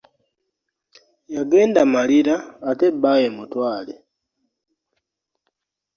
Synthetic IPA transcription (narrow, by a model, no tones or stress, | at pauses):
jaɡeːndamaliɾaːtebajemutwaːle